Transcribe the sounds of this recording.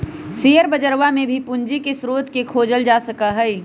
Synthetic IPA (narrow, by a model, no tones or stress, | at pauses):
seːəɾbəd͡ʒəɾʋamẽbʱipʊnd͡ʒikesɾoːt̪kekʰoːd͡ʒəld͡ʒaːsəkəɦɛi